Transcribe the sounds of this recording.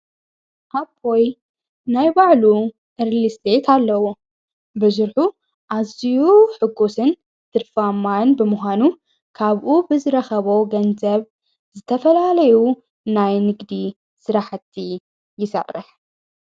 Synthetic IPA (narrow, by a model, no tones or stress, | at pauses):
ʔabʰoj | najbaʕlu | ʔɨɾlist̪et̪ʰalːɐwo | bɨzɨɾħu | ʔazijuħɨɡːosɨn | t̪ʰɨɾfamanbɨmʊxʷanu | kʰaβʔubɨzɨɾɐxɐβowɡɐnzɐβ | zɨt̪ʰɐfɐlalɐju | najnɨɡd̪i | sɨɾaħɨt̪ʰːi | jɪsɐ̰rːɨ̰ħ